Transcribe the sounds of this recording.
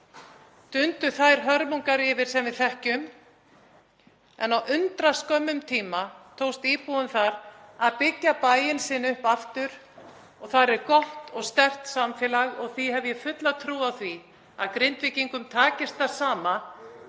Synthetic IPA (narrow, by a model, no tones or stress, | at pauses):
t̪ʏnt̪ʏθajɾ̥ɦœɾmuŋkaɾɪvɪɾ̥sɛmvɪðθɛhcʏm | ɛ̰nawʔʏnt̪ɾaskœmːʏmt̪ʰiːmat̪ʰoːwst̪iːpuʏmθaɾaðpɪcːapajɪnsɪnʏhpaft̪ʏɾ̥ | ɔɣθaɾɛɾkɔht̪ɔɣst̪ɛr̥t̪samfɛlaɣɔɣθihɛvjɛfʏt̪laðt̪ʰɾuːawθvi | a̰ðkɾɪnt̪vɪciŋkʏmt̪ʰaːcɪst̪̚θḁsaːma